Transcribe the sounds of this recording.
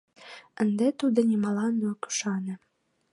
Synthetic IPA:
ə̆nd̪ɛt̪ud̪ɤ̆nʲɛmɑlɑnoku̥ʃɑnĕ

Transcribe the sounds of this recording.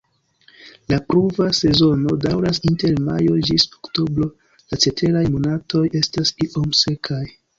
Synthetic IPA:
lapɾuvase̞zo̞no̞dawɾasinte̞ɾma̰jo̞d͡ʒisoktobɾo̞ | lat͡se̞tʰe̞ɾajmonatʰo̞je̞stasiʔo̞mse̞kʰaj

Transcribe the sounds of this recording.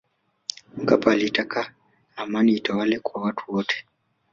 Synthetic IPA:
m̩kapaːlitaka | namaniːtawalɛkwawatʰu̥wɔtʰɛ̥

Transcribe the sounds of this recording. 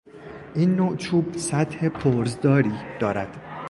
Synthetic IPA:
ʔiːnːot͡ʃʰuːbsæt̪he̞pʰoɾzd̪ɒːɾiːd̪̥ɒːɾæd̪̥

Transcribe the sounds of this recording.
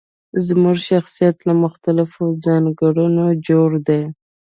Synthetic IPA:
zmuʒʃaxsijat̪lamʊxt̪alɪfod͡zɑnɡaɽunod͡ʒoɽd̪e

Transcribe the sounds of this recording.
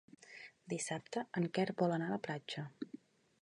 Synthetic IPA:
d̪isap̚t̪əəŋkɛɾbɔlənaləplad͡ʒə

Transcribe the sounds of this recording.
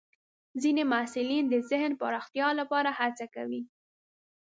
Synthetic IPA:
zinemasɪlind̪əzɪhnpaɾɑxt̪jɑlapɑɾahat͡sakawi

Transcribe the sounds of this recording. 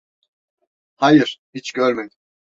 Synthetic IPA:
hajɯɾ̥hit͡ʃɟøɾmed̪i

